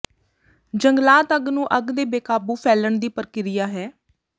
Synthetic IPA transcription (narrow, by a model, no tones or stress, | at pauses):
d͡ʒəŋɡlaːt̪əɡnũːʔəɡd̪eːbeːkaːbuːpʰɛːləɳd̪iːpəɾkɪɾɪjaːɦɛː